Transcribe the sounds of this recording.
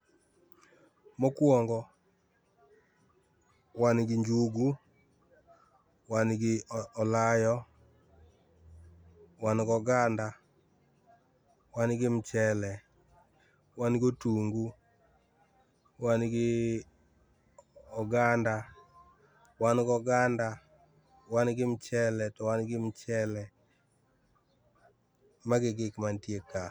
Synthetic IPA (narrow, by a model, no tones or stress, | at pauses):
mɔkwɔŋɡɔ | wanɡɪɲd͡ʒuɡu | wanɡɪɔlajɔ | wanɡɔɡanda | wanɡɪm̩t͡ʃɛlɛ | wanɡotuŋɡu | wanɡɪ | ɔɡanda | wanɡɔɡanda | wanɡɪmt͡ʃɛlɛtɔwanɡɪmt͡ʃɛlɛ | maɡɪɡɪkmantjeka